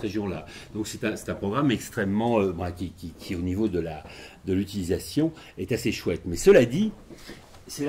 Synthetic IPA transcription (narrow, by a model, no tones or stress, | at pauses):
ʁeʒjɔ̃lad̪̥ɔ̃ksɛt̪ɛ̃sɛ̥t̪ɛ̃pχɔɡʁamɛkst̪χɛmːɑ̃ø̃fɛ̃kʲikʲikʲʰionivod̪əlad̪əlyt̪ilizasjɔ̃ | ɛt̪aseʃwɛt̪mɛsəlad̪i | sɛ